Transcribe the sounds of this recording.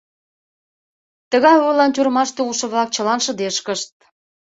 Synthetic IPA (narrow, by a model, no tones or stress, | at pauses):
t̪əɣɑjujlɑnt̪ʲuɾəmɑʃt̪euʃə̆βlɑk̚t͡ɕəlɑnʃə̆d̪eʃkəʃt̪̚